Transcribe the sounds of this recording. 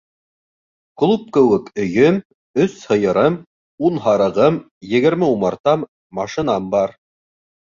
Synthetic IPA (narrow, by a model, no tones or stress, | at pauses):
klˠup̚kɘ̆wɘkɵ̆jɵm | ɵshɤ̆jɤ̆ɾɤm | unɦɑɾɤ̆ʁɤm | jɘ̆ɡɘ̆ɾmɘumɑɾt̪ɑmː | ɑʃĭnɑmbɑɾ